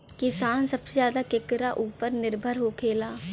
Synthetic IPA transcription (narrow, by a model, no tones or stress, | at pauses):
kɪsaːnsəbsezjaːd̪akɪkɾaʔuːpəɾnɪɾbʱəɾɦoːkʰeːlaː